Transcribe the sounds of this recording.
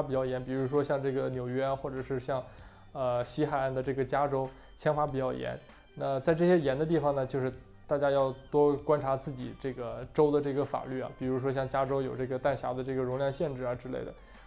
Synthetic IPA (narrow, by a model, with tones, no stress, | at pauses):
pi˨˩t͡ɕjɑ˥˩jɛ˧˥npi˨˩ɻu˧˥ʂwɔ˥ɕjɑ˥˧ŋʈ͡ʂɤ˥˩ɡə˩njo˨˩ʊɥɛ˥xwɔ˥˩ʈ͡ʂɤ˨˩ʂɻ̩˥˧ɕjɑ˥˩ŋ | ə˧ɕi˧˥xa˨˩ɪa˥˩nd̪ə˧ʈ͡ʂɤ˥˩ɡə˩t͡ɕja˥ʈ͡ʂo˥ʊ | t͡ɕʰjɑ˥ŋfa˧˥pi˨˩t͡ɕjɑ˥˩ʊjɛ̰˧˥n | na˥˧t͡sa˥˧ɪʈ͡ʂɤ˥˩ɕjɛ˥jɛ˧˥nd̪ə˧t̪i˥˩fɑ˨˩ŋnə˩t͡ɕjo˥˧ʊʂɻ̩˥˧ | t̪a˥˩t͡ɕja˥jɑ˥˩ʊt̪wɔ˥kwa˥nʈ͡ʂʰa˧˥t͡sɹ̩˥˩t͡ɕḭ˨˩ʈ͡ʂɤ˥˩ɡə˩ʈ͡ʂo˥ʊd̪ə˨ʈ͡ʂɤ˥˩ɡə˩fa̰˨˩ly˥˩ɐ̰˩pi˨˩ɻu˧˥ʂwɔ˥ɕjɑ˥˩ŋt͡ɕja˥ʈ͡ʂo˥ʊjo˨˩ʊʈ͡ʂɤ˥˩ɡə˩t̪a˥˩nɕja̰˧˥d̪ə˧ʈ͡ʂɤ˥˩ɡə˩ɻʊ˧˥ŋljɑ˥˧ŋɕjɛ˥˧nʈ͡ʂɻ̩˥˩ə˞˧˥ʈ͡ʂɻ̩˥le˥˩ɪd̪ə˩